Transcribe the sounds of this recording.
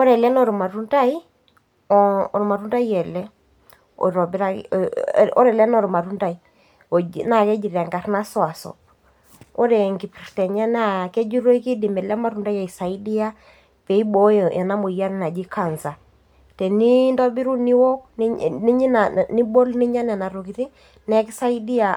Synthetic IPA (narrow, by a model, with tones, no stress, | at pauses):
ɔ˦ɾɛ˨lɛ˦nɔ˨ɾma˨tu˦nta˦i˦ | ɔɔ˨ɾma˨ɾu˦nda˦i˦ɛ˨lɛ˦ | ɔ̰˨ɾɔ˨bi˦ɾa˦ | ɔ̰˦ɾɛ˨lɛ˦nɔ˦˨ɾma˨tu˦nda˦i˨ | ɔ̰˨na˦˨kɛ˦d͡ʒi˨ɾa˨ŋɡa˨rna˦sɔ˦a˨sɔ̰˨ | o˦ɾɛ˨ŋɡi˨pi˨rtɛ˨ɲa˦n˦a˨kɛ˦d͡ʒi˦ɾo˦i˦ki˦di˨mɛ˨lɛ˦ma˦tu˨nda˦ja˨i˨sa˨i˦di˦a˦ | pɛ˨i˦bo˦jʔɛ˨na˦mo˨ja˦ɾna˨d͡ʒi˦ka˨nza˨ | tɛ˨ni˦ndɔ˦bi˦ɾu˦ni˦wɔ˦knni˦ɲi˦nani˦bo˦lni˦ɲa˦nɛ˨na˨ɾo˨ki˨ɾi˦ | nɛ˦kɪ˦sa˦i˦di˦a˨